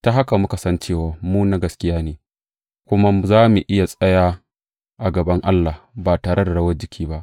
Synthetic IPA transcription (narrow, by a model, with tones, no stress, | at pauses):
ta˦ɦa˦ka˨mʊ˦ka˨sɐ˦nt͡ʃeː˦˨waː˨muː˦na˦ɡɐ˨skʲɪ˦jaː˦neː˨ | kʷʊ˦ma˦zaː˦mu˨ʔɪ˦ja˨sʼɐ˦jaː˦ | ʔa˨ɡɐ˨bɐ˦ŋʔa˦lːaː˨baː˨taː˨ɾe˦da˨ɽɐ˦wɐ˦d͡ʒɪ˦kʲʰiː˦ba˦ʔ